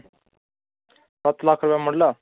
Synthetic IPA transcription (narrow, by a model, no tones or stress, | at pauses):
sɐt̪ʰlaːkʰɾʊpɛməɖlaː